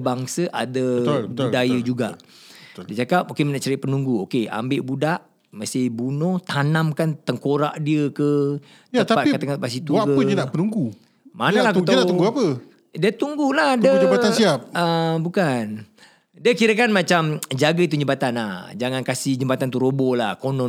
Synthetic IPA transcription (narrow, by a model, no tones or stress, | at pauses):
baŋsəʔa̰dəəb̪udajəd͡ʒuɡa̰ʔ | diət͡ʃakap̚okemənaʔt͡ʃəɾɪʔpənuŋɡuokea̰mbeʔbudaʔ | məst̪ɪhbunɔht̪anamkant̪əŋkoɾa̰ʔdiəkə | tət̪apat̪̚kt̪əŋat̪̚pasit̪ukəədiənaʔpənuŋɡu | manalahkət̪anat̪uŋɡuapə | diət̪uŋɡulahdəd͡ʒəbat̪ansiap̚əbukan | diəkiɾəkanmat͡ʃamd͡ʒaɡəit̪uɲd͡ʒəbat̪ana̰hd͡ʒaŋankasɪhd͡ʒəmbat̪ant̪uɾobɔlahkonɔ